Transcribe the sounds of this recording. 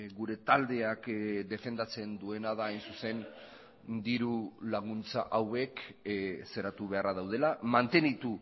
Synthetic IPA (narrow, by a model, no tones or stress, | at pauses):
ɡuɾe̞t̪ald̪e̞akd̪e̞fe̞nd̪at͡se̞nd̪ue̞naðaːjnsuse̞n | d̪iɾulaɣ̞unt͡sa̰ʔawe̞k | se̞ɾat̪uβ̞e̞araðawð̞elamant̪e̞nit̪u